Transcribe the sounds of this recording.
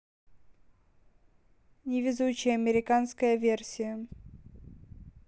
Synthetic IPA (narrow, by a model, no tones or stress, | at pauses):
nʲɪvʲɪzut͡ɕːɪjəɐmʲɪɾʲɪkanskəjəvʲersʲɪjə